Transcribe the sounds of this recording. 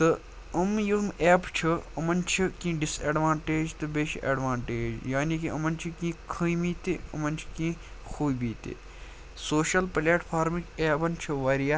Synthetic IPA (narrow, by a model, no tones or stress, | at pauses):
t̪ɨ | ɐmjumeːpt͡ʃʰiɐmɐnt͡ʃʰikĩːɖisɐːɖʋãːɳʈeːd͡ʒt̪ɨbeʃʰiʔɐ̰ːɖʋãːɳʈeːd͡ʒjaːnikiɐ̰mɐnt͡ʃʰikĩːkʰɨ̃jmiːt̪iɐmɐnt͡ʃʰi̥kĩː | xʰuːbiːt̪ḭ | soːʃɐlpleːʈpʰaːɾmikeːbɐnt͡ʃʰiʋɐɾija